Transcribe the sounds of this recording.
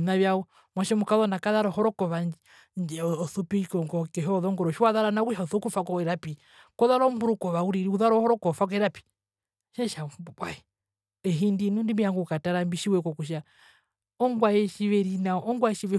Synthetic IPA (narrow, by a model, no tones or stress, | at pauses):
naβjaɔ | mwaʃɛmukaðɔnakaðaɾɔhɔɾɔkɔβan | ɲd͡ʒɛɔɔθupikɔŋɡɔkɛɦɔðɔŋɡɔɾɔʃiwaðaɾanakuʃaɔθukufakɔɛɾapi | kɔðaɾɔmbuɾukɔβauɾiɾuðaɾɔhɔɾɔkɔfak̬ɔɛɾapi̥ | ʃɛʃabwaɛ | ɛɦindinundimijaŋɡukataɾambiʃiwɛkɔkuʃ̬a | ɔŋɡwajɛʃiʋɛɾinaʔɔŋɡwaɛʃiβɛ